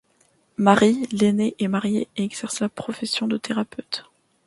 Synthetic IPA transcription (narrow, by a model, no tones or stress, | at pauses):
maʁileneʔɛmaʁjeeɛɡzɛʁslapχɔfɛsjɔ̃d̪ət̪eʁapøːt̪